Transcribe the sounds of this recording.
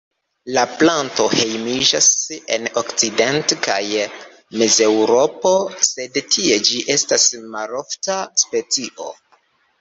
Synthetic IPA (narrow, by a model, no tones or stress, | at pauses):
laplanto̞he̞jmid͡ʒase̞̰nokt͡side̞ntka̰j | meze̞wɾo̞po̞se̞dtʰie̞d͡ʒiʔe̞stasmalo̞ftaspe̞t͡siʔo̞̰